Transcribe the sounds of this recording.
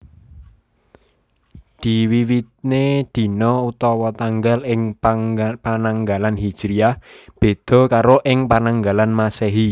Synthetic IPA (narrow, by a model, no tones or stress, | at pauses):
d̪̥i̤wiwit̪̚ned̪̥i̤nɔut̪ɔwɔt̪aŋɡalɪŋ | panaŋɡalanɦi̥d͡ʒ̥ɾiahb̥e̤d̪̥ɔ̤kaɾoʔɪŋpanaŋɡalanmaseɦi